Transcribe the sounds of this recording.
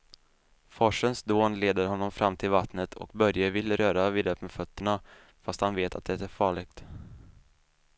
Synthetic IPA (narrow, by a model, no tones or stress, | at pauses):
fɔʂənsd̪oːnleːd̪əɾhɔnːɔmfɾʔamːt̪ʰɪlvat̪nət̪ʰɔ̰kbœɾjəvɪlɾœːɾavɪːd̪œp̪əfœt̪ːəɳa | fast̪hanveːt̪ʰat̪̚d̪ɛt̪æɾfɑːɭɪɡ̚t̪